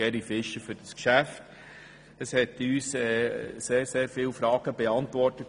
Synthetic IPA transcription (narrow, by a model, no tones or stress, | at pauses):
ɛɾifɪʃəfʏɾd̥ɑskʃæft | əshɛtyːsɛːseːɾseːɾfɪːlfɾɑːɡ̥əb̥ɛɑntʋɔrtət